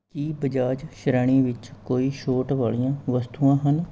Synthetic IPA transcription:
kiːbəd͡ʒaːd͡ʒʃɾaːɽ̃iːʋɪt͡ʃkoːiːʃoːʈʋaːɭijãːʋəst̪uːãːɦən

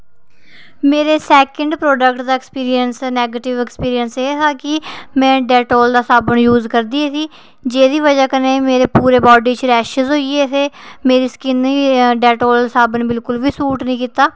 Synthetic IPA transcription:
meːɾeːsɛːkəɳɖpɾoːɖəkʈd̪aːɪkspiːɾiənsnɛːɡeːʈɪʋekspiːɾiənseːɦaːkɪmɛ̃ːɖɛːʈoːld̪aːsaːbənjuːzkəɾd̪iːeːsiː | d͡ʒeːd̪iːʋəd͡ʒaːkəneːmeːɾeːpuːɾeːbɔːɖiːt͡ʃɾɛːʃəzɦoːieːseːmeːɾiːskɪniːɖɛːʈoːlsaːbənbɪlkʊlʋiːsuːʈnĩːkiːt̪aː

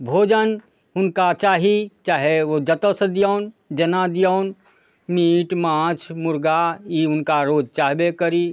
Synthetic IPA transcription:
bʱoːd͡ʒən | ʊnkat͡ʃaːɦit͡ʃaːɦeʋod͡ʒət̪əsəd̪jəːn | d͡ʒənad̪jəʊn | miːʈmãːt͡ʃʰmʊɾɡaiʊnkaɾoːd͡ʒt͡ʃaːɦbekəɾi

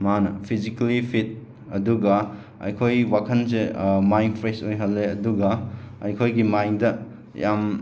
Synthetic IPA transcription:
manɐ̰pʰizikɐlipʰit̚ | ɐduɡɐ | ɐ̰jkʰojwakʰɐnsemajnpʰɾesojɦɐlːeɐduɡɐɐ̰jkʰojɡimajŋdɐ | jam

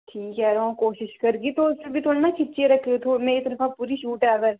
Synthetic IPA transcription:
ʈʰiːkɦɛːɾoõkoːʃɪʃkɐɾɡit̪osɪbʱit̪ʰoːlnat͡ʃʰɪʈːt͡ʃeɾɐkʰːeot̪ʰoːmɛ̃et̪əɾəfʰapuːɾiʃuːʈɦɛɐɡəɾ

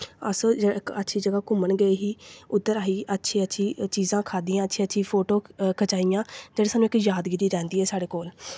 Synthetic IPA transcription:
ə̰sd͡ʒətːʃʰiːd͡ʒəɡaːkʊməɳɡəeːɦiːʊd̪ːəɾaːɦiːʔətːʃʰiːətːʃʰiːt͡ʃiːzãːkʰaːd̪iːãːətːʃʰiːətːʃʰiːpʰoːʈoːkʰət͡ʃaːijãːd͡ʒeːɽeːsaːnːũɪkjaːd̪ɡiɾiːɾɛ̃ːnd̪iːɛːsaːɽeːkoːl

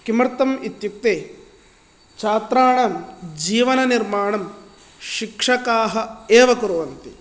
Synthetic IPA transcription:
kimɐɾt̪ɐmit̪juk̚t̪eː | t͡ʃaːt̪ɾaːɳɐmd͡ʒiːʋɐnɐniɾmaːɳɐm | ʃikʂɐkaːɦɐ̆eːʋɐkuɾuʋɐnt̪i

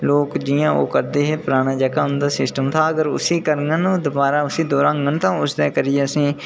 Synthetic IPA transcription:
loːkd͡ʒɪjãːo̰ːkəɾd̪eːɦeːpɾaːɽ̃aːd͡ʒəkaːɦʊnd̪aːsɪsʈəmt̪ʰaːəɡəɾʊ̰siːkəɾŋɡənũːd̪ʊbaːɾaːʊsiːd̪oːɾãːŋɡənt̪ãːʊsd̪ɛːkəɾɪjeːəsĩː

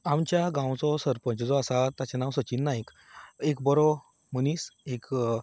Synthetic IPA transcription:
amt͡ɕjaɡãwt͡sɔsəɾpə̃ɲt͡ɕd͡zɔasat̪at͡ɕanawsət͡ɕiːnːaek | ekbɔɾɔ | məniːsek

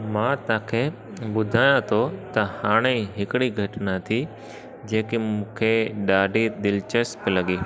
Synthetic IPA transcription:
mãːt̪ãːkʰe | ɓʊd̪ʱaːjãt̪ʰot̪ɐhaːɽ̃eɦɪkɪɽiɡʱɐʈnat̪ʰi | d͡ʑẽːkimũːkʰeɗaːɖʱid̪ɪlɪt͡ɕəspɪlɐɠiː

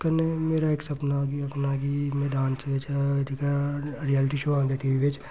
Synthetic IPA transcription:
kɐɾnemeːɾaeːksɐpnaɡiɐpnaɡimed̪ãːnsʋet͡ʃd͡ʒ̪ikaɾijɛːlɪʈiʃoːãŋd̪eʈiːʋiʋet͡ʃ

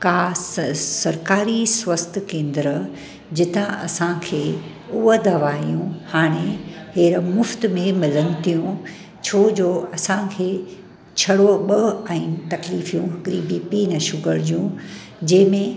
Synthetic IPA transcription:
kaːssɐɾkaːɾiswɐst̪ʰkẽːnd̪ɾə | d͡ʑɪt̪ãʔɐsãkʰeː | uəd̪ɐʋaːijũhaːɽ̃eɦeːɾmʊft̪mẽmɪlənɪ̆t̪ijũ | t͡ɕʰoːd͡ʑoːɐsãkʰeː | t͡ɕʰɐɽoɓɐɛ̃ːt̪ɐkliːfijũɦɐɡɾibiːpinɐʃʊɡəɾd͡ʑũ | d͡ʑɐ̃ɦmẽ

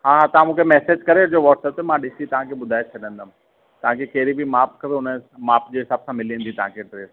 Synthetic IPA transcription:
ɦãːɦãt̪ɐʋãmũːkʰemɛːseːd͡ʑkɐɾeʊd͡ʑoʋɔːʈsɛp̚t̪emãɗɪsit̪ɐʋãkʰeɓʊd̪ʱaːet͡ɕʰɐɗə̃nd̪ʱəm | t̪ɐʋ̤ãkʰekɐɦɪɾibʱimaːp̚kʰɐpeɦʊnmaːpd͡ʑeːɦɪsaːbsãmɪliĩə̃nd̪it̪ɐɦãkʰeʈɾeːs

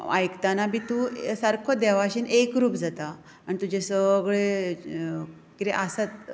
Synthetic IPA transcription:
a̰jkt̪anabʱit̪usəɾkʰod̪ɛʋaɕinekɾuːpd͡zat̪aː | nit̪ud͡ʑesəɡɭe | kit̪eʔəsat̪

